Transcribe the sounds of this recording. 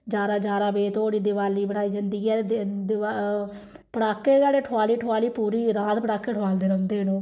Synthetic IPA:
d͡ʒaːɾaːd͡ʒaːɾaːbeːt̪oːɽiːd̪ɪʋaːliːbəɽaːiːd͡ʒənd̪iːɛːd̪ɪa | pəɽaːkːeːd͡ʒaːɽeːʈʰʊaːliːʈʰʊaːliːpuːɾiːɾaːt̪pəɽaːkːeːʈʰʊaːld̪eːɾə̃ːnd̪eːɦnõː

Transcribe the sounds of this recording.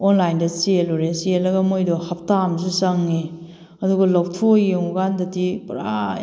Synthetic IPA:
onlajndɐsieluɾesielːɐɡɐmojdɔhɐp̚tamsisɐŋːe | ɐduɡɐlop̚tʰojjeŋɡandɐtipɾa

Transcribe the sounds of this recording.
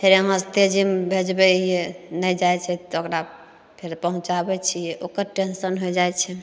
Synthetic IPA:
pʰeɾeməst̪ed͡ʒimbʱed͡ʒbɛijenəjd͡ʒajt͡ʃʰɛt̪okɾa | pʰeɾpəɦũt͡ʃabɛt͡ʃʰijɛʔokəɾʈensənɦojd͡ʒajt͡ʃʰɛ

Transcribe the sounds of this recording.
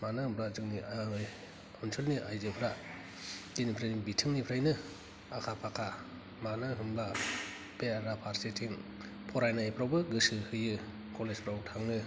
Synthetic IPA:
manɯhɯmpʰɾazɯŋnia | nsʰelniʔajzɯpʰɾa | ɡinipʰɾajnibitʰɯŋnipʰɾajnɯ | akʰapʰakʰa | manɯɦɯmba | beaɾapʰaɾsetʰiŋ | pʰɔɾajnaapʰɾawbɯɡɯsɯhɯjɯ | kʰɔlespʰɾawtʰaŋnɯ

